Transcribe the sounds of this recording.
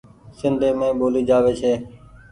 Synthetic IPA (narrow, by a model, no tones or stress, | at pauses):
sɪnd̪ʱeːmẽːɓoːliːd͡ʒaːʋeːt͡ʃʰeː